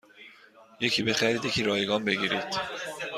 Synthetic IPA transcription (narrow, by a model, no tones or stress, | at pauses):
je̞cʰiːbe̞xæɾiːd̪je̞cʰiːɾɒːjeɡɒːnbe̞ɡiːɾid̪̥